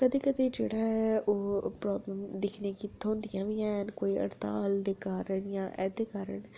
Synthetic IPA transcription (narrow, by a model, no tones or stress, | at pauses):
kəd̪eːkəd̪eːd͡ʒeːɽaːɦɛʔoːpɾɔːbləmd̪ɪkʰnekit̪ʰːõːnd̪ijãːʋiːɛ̃ːnkoːiːə̰ɾt̪a̰ːld̪eːkaːɾəɳjãːʔɛ̰ːd̪eːkaːɾəɳ